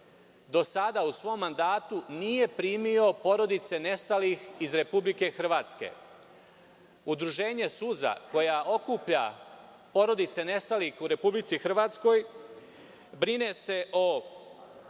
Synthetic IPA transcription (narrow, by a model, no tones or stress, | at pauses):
d̪o̞sad̪ausʋo̞mːand̪aːt̪unije̞pɾiːmio̞po̞ɾo̞d̪it̪se̞ne̞st̪alixizɾe̞publike̞xr̩ʋaːt̪ske̞̰ | ud̪ɾuʒe̞ːɲe̞suza̰ko̞jaʔo̞kupʎa̰ | po̞ɾo̞d̪it̪se̞ne̞st̪alixuɾe̞publit̪sixr̩ʋaːt̪sko̞j | bɾinese̞ʔo